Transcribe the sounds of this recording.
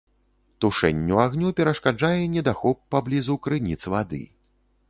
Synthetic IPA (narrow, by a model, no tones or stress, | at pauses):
t̪uʂɛ̰nʲːuaɣnʲupʲɛɾɐʂkad͡ʐajɛnʲɛd̪axɔpːablʲizukɾɨnʲit̪svad̪ɨ̰